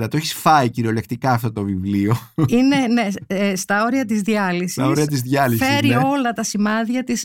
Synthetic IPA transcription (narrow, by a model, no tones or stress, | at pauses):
ɾɐt̪oeçisfɐiciɾio̞le̞kt̪ikɐːft̪o̞t̪o̞vivlio̞inene̞st̪ɐo̞ɾiɐt̪̬izðiɐlisiɐoɾiɐt̪izðʝɐlisfe̞ɾio̞lɐt̪ɐsimɐðʝɐt̪is